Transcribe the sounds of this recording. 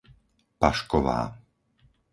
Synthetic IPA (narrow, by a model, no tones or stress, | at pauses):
paʃkɔʋa̰ː